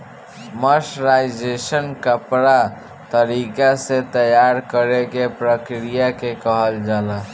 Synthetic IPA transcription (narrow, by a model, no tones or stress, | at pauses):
məsɾajd͡ʒesənkəpɾa | t̪əɾikaset̪əjaɾkəɾekepɾəkɾijakekəɦəld͡ʒalə